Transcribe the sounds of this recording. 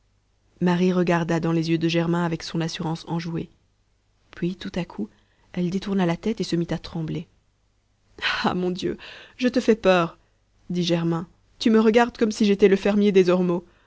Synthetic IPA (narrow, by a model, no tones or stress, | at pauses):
maʁiʁəɡaʁd̪ad̪ɑ̃lezjød̪əʒɛʁmɛ̃avɛksɔ̃nasyʁɑ̃sɑ̃ʒue | pɥit̪ut̪akʰu | ɛld̪et̪uʁnalat̪ɛt̪esəmit̪at̪χɑ̃ble | amɔ̃d̪jø̰ʒət̪əfɛpœːʁ | d̪iʒɛʁmɛ̃ | t̪yməʁəɡaʁd̪kɔmsiʒet̪ɛləfɛʁmjed̪ezɔʁmo